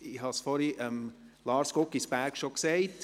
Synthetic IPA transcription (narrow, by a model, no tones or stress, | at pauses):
ihɑsfɔɾiʔɛm | lɑːɾskɔkːisbæɾkʃokseɪt